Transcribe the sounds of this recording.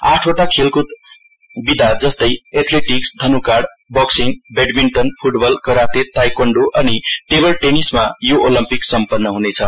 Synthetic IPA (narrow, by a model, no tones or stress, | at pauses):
a̰ʈʰoʈakʰelkut̪ | bid̪ʱad͡zʌst̪ʌjet̪ʰleʈiksd̪ʱʌnukaɖ | bʌksinbeɖmiɳʈʌnpʰuʈbʌlkʌɾat̪et̪ajkʌɳɖoʔʌniʈebʌlʈenismajoʔolʌmpiksʌmpʌnːʌɦunet͡sʰʌ